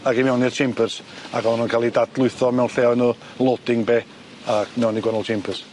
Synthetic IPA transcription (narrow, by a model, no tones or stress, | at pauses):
aɡimɛwnirt͡ʃʰempʰərsaɡɔnuːnkʰalˠidadlˠʊɨθɔmɛwnɬɛɔnuː | lˠod̥ɪŋbeː | amɛwniɡwɛnəlˠt͡ʃʰempʰərs